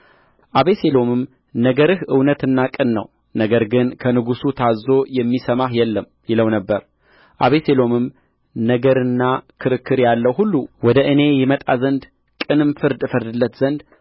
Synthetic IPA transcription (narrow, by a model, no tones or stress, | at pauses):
ʔaβeselo̞mɨm | nəɡəɾɨhʔɨwnət̪ɨnːakʼɨnːə̰w | nəɡəɾɡɨnkʰənɨɡusut̪ʰazːo̞jɛmːisəmahjɛlːəm | jɪləwnəbːəɾ | ʔaβeselo̞mɨm | nəɡəɾɨnːakʰɨɾɨkːɨɾjalːəwɦulːuwɔd̪əʔɨne̞jɛmət̪ʼazənd̪ | kʼɨnɨmfɨɾd̪ɨfəɾd̪ɨlːət̪z̥ənd̪